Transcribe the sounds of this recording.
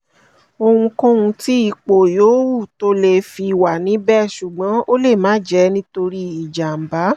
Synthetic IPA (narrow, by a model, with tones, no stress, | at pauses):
o˧hũ˧kõ˦ũ˧ti˦i˦˨k͡po˨joː˨˦wu˦˨to˧˦le˧˨fi˧˨wa˨nĩ˨˦bɛ˦˨ʃu˨ɡ͡bã˨˦o˦le˦˨mãː˨˦d͡ʒɛ˨˦nĩ˦to˧ɾi˦i˨d͡ʒa˨m̩˨ba˨˦